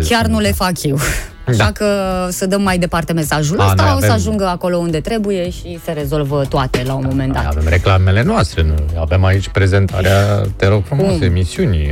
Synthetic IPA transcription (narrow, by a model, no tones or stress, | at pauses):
kʲjarnule̞fakjew | aʃakəsəd̪əmːajd̪e̞part̪e̞me̞saʒulasaoəaʒuŋɡəako̞lo̞und̪e̞t̪ɾe̞buje̞ʃise̞ɾe̞zo̞lvət̪oat̪e̞laumo̞me̞nd̪a̰ta̰vemɾe̞klame̞le̞noast̪ɾeɨnave̞mait͡ʃʲpɾe̞ze̞nt̪ʰa̰ɾeat̪eɾofɾumosəemisiunʲ